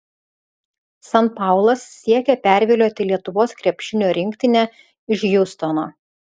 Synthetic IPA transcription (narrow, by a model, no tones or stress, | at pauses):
sɐnpɑˑʊlˠɐsːʲiɛkʲɛpʲæˑɾʲʋʲɪlʲoːt̪ʲɪlʲiɛt̪ʊʋoːskɾʲɛpʲʃʲɪnʲoːɾʲɪŋʲkʲt̪ʲɪnʲɛ | ɪʃjʊst̪ɔnoː